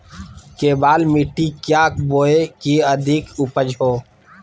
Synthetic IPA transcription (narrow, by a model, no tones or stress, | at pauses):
keːbaːlmiʈikjaːkboːekiəd̪ʱikupəd͡ʒʱɦoː